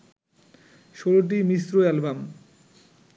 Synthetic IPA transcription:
ʃoloʈ̬imisɾoɛlbam

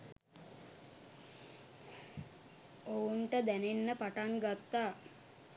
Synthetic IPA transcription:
ouɳʈəd̪ænenːəpaʈaŋɡat̪ːaː

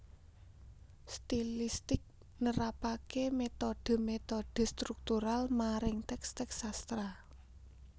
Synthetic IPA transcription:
st̪ilist̪ɪk̚ | nəɾapakemet̪oɖ̥ə̤met̪oɖ̪̥ə̤st̪ɾuk̚t̪uɾalmaɾɪŋt̪ɛkst̪ɛksast̪ɾa

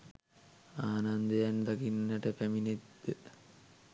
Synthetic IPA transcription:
aːnand̪əjand̪akinːəʈəpæmined̪ə

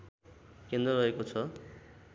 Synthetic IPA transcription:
kend̪rʌɾʌekot͡sʰʌ

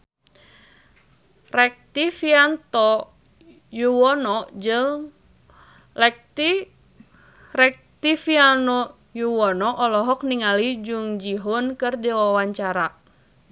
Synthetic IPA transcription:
rɛk̚t̪ifiant̪ɔ | juwɔnɔd͡ʒɨŋ | lɛk̚t̪i | rɛk̚t̪ifianɔ | juwɔnɔʔɔlɔɦɔkniŋalid͡ʒuŋd͡ʒiɦunkɨrdiwawaɲt͡ʃaɾa

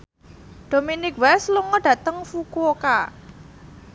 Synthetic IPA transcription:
ɖ̪̥ominɪkwɛsluŋɔɖ̥ä̤t̪əŋfukuoka

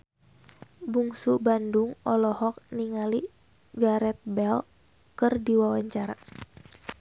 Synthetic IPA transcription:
buŋsubanduŋɔlɔhɔk̚niŋali | ɡaɾɛt̪̚bɛl | kɨrdiwawaɲt͡ʃaɾa

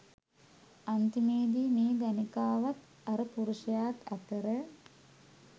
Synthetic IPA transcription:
ant̪imeːd̪iːmeːɡ̪anikaːʋat̪ | aɾəpuɾuʃəjaːt̪at̪əɾə

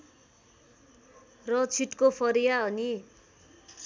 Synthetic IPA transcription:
rʌt͡sʰiʈkopʰʌɾijaʌni

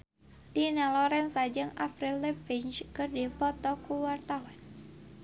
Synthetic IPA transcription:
d̥inalɔɾɛnsad͡ʒɨŋafɾilːɛpiɲt͡ʃkɨrdipɔt̪ɔkuwart̪awan

